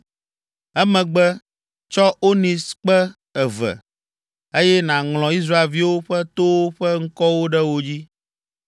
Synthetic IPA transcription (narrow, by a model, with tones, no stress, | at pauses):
ɛ˦mɛ̃˨ɡ͡bɛ˦ | t͡ʃɔ˦o˦nĩ˨sk͡pɛ˦ | ɛ˨vɛ̰˨ | e˦jɛ˦nã˨ŋl̃ɔ̃˨i˦s̬ɾa˦e˨lvi˦wo˦ɸɛ˦t̪o˦wo˦ɸɛ˦ŋ̩˦kɔ˦wo˦ɖɛ˦wo˦d͡ʑi˦